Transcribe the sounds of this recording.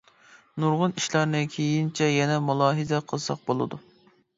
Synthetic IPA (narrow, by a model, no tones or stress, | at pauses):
nuɾʁʊniʃlɑɾnɨkʲʰejint͡ʃʰɛjɛnɛmulˠɑːɦɨzɛqʰəlˠsɑ̰q̚bolˠɨ̰d̪u